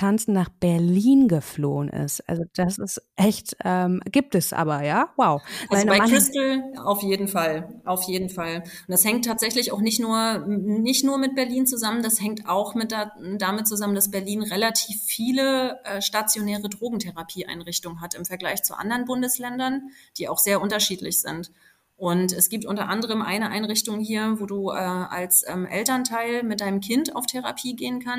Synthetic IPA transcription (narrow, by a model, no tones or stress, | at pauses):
tʰant͡sn̩naːχb̥ɛɐliːnɡəfloːənʔɪ̰stʔa̰lzod̥asɪstʔɛçtʔɛːmɡ̥iːp̚təsʔa̰ːbɐjaːwaʊʔalzbaɪʁ̥ɪstl̩a̰ʊfjeːdn̩falʔaʊfjeːdn̩fald̥ashɛŋtʰːaːtz̥ɛçlɪçaʊxnɪçtnuːɐnɪçtnuːɐmɪt̚b̥ɛɐliːnt͡suzaməndashɛŋtaʊxmɪt̚damɪt̚t͡suzamənd̥asb̥ɛɐliːnʁelatʰiːfːiːləʔɛːʃtat͡sjonɛːʁədʁoːɡŋ̩tʰɛʁapʰiːʔa̰ɪnʁɪçtʊŋənɦatɪmfɛɐɡlaɪçt͡sṵʔa̰ndɐʁnbʊndəslɛndɐnd̥iːa̰ʊxz̥eːɐʔʊntɐʃiːtlɪ̰çz̥ɪ̰nt | ʔʊntɛsɡ̥iːp̚tʔʊntɐ̰ʔandəʁ̞əmʔa̰ɪnəʔa̰ɪnʁɪçtʊŋhiːɐvoːduːʔɛːa̰lsʔɛːmʔɛ̰ltɐntʰaɪlmɪt̚d̥aɪnəmkʰɪnta̰ʊftʰeʁa̰pʰiːɡeːənkʰan